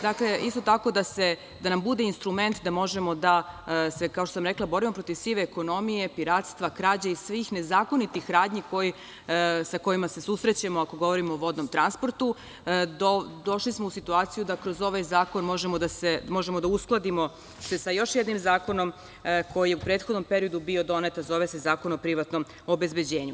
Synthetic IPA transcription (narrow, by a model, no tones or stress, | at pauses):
d̪akle̞ist̪o̞t̪ako̞d̪ase̞ | d̪anambud̪e̞inst̪ɾume̞nt̪d̪amo̞ʒe̞mo̞d̪ase̞kaot̪osamɾeklˠabo̞ɾimo̞pɾo̞t̪iʋsiʋeːko̞no̞mije̞piɾaːt̪st̪ʋakɾaːd͡ʑaisʋixne̞zaːko̞nit̪ixɾaːd̪ɲiko̞ji | sako̞jimase̞susɾe̞t͡ɕemoako̞ɡo̞ʋo̞ɾimoːʋo̞d̪no̞mt̪ɾanspoɾt̪u | d̪od̪o̞ʃlismo̞usit̪uaːt̪sijud̪akɾo̞zo̞ʋajzaːko̞nmo̞ʒemod̪asemo̞ʒemod̪ausklˠad̪imo̞ | sesajo̞ʃjed̪nimzaːko̞no̞m | ko̞jijeupɾeːt̪xod̪no̞mpe̞ɾio̞d̪ubio̞d̪o̞net̪anzo̞ʋese̞zaːko̞nopɾiʋat̪no̞m | oːbe̞zbed͡ʑe̞ːɲu